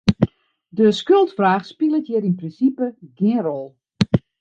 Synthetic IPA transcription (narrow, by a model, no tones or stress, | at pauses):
dəskølˠtfraːxspilˠətjɪɾinprinsipəɡɪənrɔlˠ